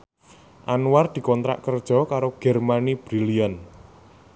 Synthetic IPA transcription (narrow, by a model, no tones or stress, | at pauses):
ʔanward̪̥i̤kɔnt̪ɾa̰ʔkərd̥ʒ̥ɔ̤kaɾoɡ̥ɛrmanib̥ɾilian